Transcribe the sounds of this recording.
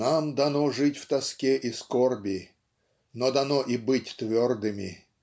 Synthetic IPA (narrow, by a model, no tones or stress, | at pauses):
namd̪ɐnoʐɨtʲft̪ɐskʲeʔɪskorbʲɪ | nod̪ɐnoʔibɨtʲt̪vʲord̪ɨmʲɪ̰